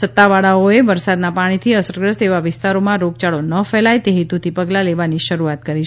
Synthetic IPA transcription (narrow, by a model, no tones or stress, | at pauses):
sət̪ːaʋaɭaoeʋəɾsad̪napaɽ̃it̪ʰiəsəɾɡɾəst̪eʋaʋɪst̪aɾomãɾoɡ̚t͡ʃaɭonəfɛlajt̪eɦit̪ut̪ʰipəɡlaleʋaniʃəɾuat̪kəɾit͡ʃʰ